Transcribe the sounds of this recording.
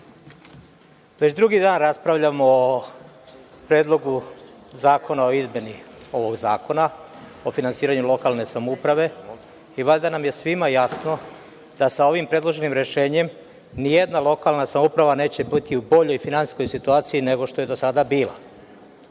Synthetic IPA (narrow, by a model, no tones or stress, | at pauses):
ʋe̞t͡ɕd̪ɾuɡid̪aːnɾaspɾaʋʎamoː | pɾe̞ːd̪lˠo̞ɡu | zaːko̞nao̞izmʲje̞ni | o̞ʋo̞ɡzaːko̞nao̞finansiːɾaɲulo̞kalˠne̞samoupɾaʋe̞ | iʋaʎd̪anamje̞sʋimajasno̞ | d̪̥asao̞ʋimpɾed̪lˠo̞ʒe̞nimɾe̞ʃe̞ːɲe̞m | nijed̪nalˠo̞kalnasamoupɾaʋane̞ːt͡ɕebit̪iubo̞ʎo̞jfinansi̥sko̞jsit̪uaːt̪sijine̞ɡo̞ʃt̪o̞je̞d̪osad̪abiːla̰